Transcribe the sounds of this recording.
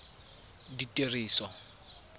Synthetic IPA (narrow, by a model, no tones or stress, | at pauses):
ditʼeriːsɔ